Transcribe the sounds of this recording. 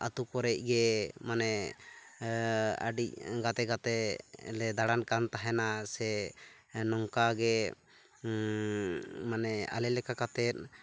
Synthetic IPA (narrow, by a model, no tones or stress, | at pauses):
at̪ukɔɾɛc̚ˀɡɛmanɛ | a̰ɖic̚ɡat̪ɛɡat̪ɛ̰lɛd̪aɽankant̪aɦɛnasɛ | nɔŋkaɡɛ | manɛa̰lɛlɛkakat̪ɛt̪̚